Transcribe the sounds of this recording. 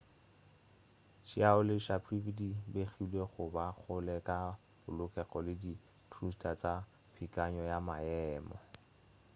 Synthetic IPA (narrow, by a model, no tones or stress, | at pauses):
t͡ʃiaʊlɪʃapʰrividibeχilweχʊbak͡xʊlɛkʼa | b̥ʊlʊkɛχɔlɪdi | tʰrustʰʼat͡sa | pʰikʼaɲɔjamaɛːmɔ̰